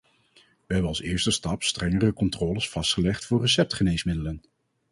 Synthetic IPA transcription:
ʋəɦɛbənɑlˠsɪːɹstəstɑpstrɛŋərəkɔntrɔːləsfɑstχəlɛχtfʊːɹrəsɛp̚tχənejsmɪdələn

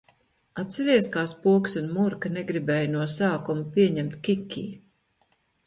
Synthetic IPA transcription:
at̪sɛɾiɛskaːspuɔksunmuɾkaneɡɾibɛːjnuɔsaːkumupiɛɲɛmt̪kʲikʰʲːḭː

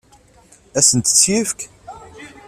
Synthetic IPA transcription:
æsənt̪ə̥t͡sːjifk

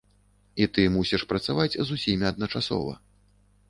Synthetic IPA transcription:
it̪ɨmusʲiʂpɾɐt̪savat͡sʲzusʲimʲiɐd̪̚nɐt͡ʂasɔ̰vɐ̰

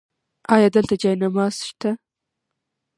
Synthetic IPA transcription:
ɑjɑd̪əlt̪ad͡ʒɑjnamɑz̥ʃt̪a

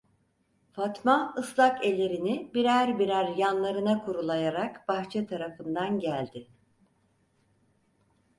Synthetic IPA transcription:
fat̪maɯslˠakelʲe̞ɾinɪbiɾæɾbiɾæɾjanlˠaɾɯnakʰuɾulˠajaɾakbaxt͡ʃʰɛt̪ʰaɾafɯnd̪anɟælʲd̪ɪ

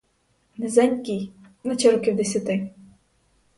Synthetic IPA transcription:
nɪzɛnʲkʲijnɐt͡ʃɛɾɔkʲiwd̪esʲɐt̪ɪ

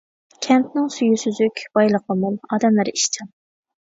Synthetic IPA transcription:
kʲʰɛnt̪nɪŋsyjysyzykʲb̥ɑjlˠəqəmulˠɑːd̪ɛmlæɾiʃt͡ʃʰɑn

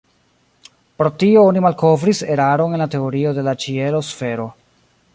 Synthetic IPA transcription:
pɾo̞tio̞onimalko̞vɾise̞ɾaɾo̞ne̞nlate̞oɾio̞de̞lat͡ʃie̞lo̞sfe̞ɾo̞

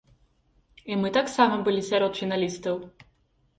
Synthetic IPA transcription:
imɨt̪aksamɐbɨlʲisʲaɾɔt̪fʲinalʲist̪ɐw

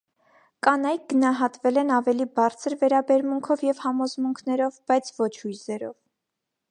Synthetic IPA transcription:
kʼɑnɑjk̚ɡənɑɦɑt̪vɛlɛnɑvɛlibɑɾt͡sʰəɾvɛɾɑbɛɾmuŋkʰɔvjɛvhɑmɔzmuŋkʰnɛɾɔvbɑjt͡sʰvɔt͡ʃʰhujzɛɾɔ̰v

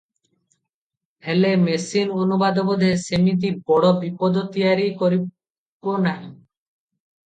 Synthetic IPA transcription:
helemesinonubad̪ɔbɔd̪ʱesemit̪̬ibɔɽɔbipɔd̪ɔt̪iaɾikɔɾi | ponaj̃

